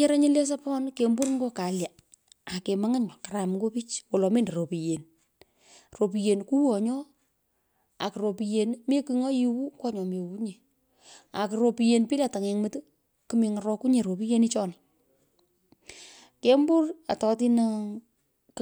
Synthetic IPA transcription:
e˦ɾa˦ɲɪ˦le˦s̬a˦pɔ˦nke˨mbu˦ɾŋɡo˦ka˨lja˨ | a˨ke˨ma˦ŋa˦ɲɔ˨ka˨ɾa˨mŋɡo˦pi˦t͡ʃwo˨lɔ˨me˦ndɾo˨pi˨je˨n | ro˨p̬i˨je˨nku˦wɔ˨ɲɔ˦ | a˨kɨ˨ɾo˨pi˨je˨nme˦ki˨ŋo˦ji˦wu˦kwɔ˦ɲɔ˨me˨wu˦ɲe˨ | a˨kɨ˨ɾo˧pi˨je˨npi˦la˨ta˨ŋe˨ŋmɨ˦tɨ˦ | kɨ˨mi˨ŋa˨rɔ˧ku˦ɲe˨ɾo˨pi˦je˦ni˦t͡ʃɔ˦nɪ | ke˦mbu˦ra˨tɔ˧ti˦na

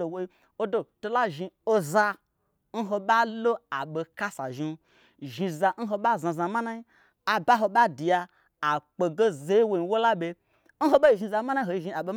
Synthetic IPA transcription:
o˨wo˧i˧ | o˦do˨to˧la˦ʒi˧o˧za˧ | n̩˦ɦo˧ɓa˦lo˦a˨ɓe˧ka˦sa̰˨ʒi˧˦ | ʒi˧za˧˦n̩˦ɦo˧ɓa˦˨zã˧za˧ma˦na˦i˦ | a˨ba˦ɦo˧ɓa˦di˨ja˧ | a˨k͡pe˨ɡe˦ze˦i˦wo˧n˨wo˦la˦ɓe˧ | n̩˦ɦo˧ɓa˦i˨ʒi˧za˧ma˦na˦ɦo˨i˧˨ʒi˧a˨ɓe˧

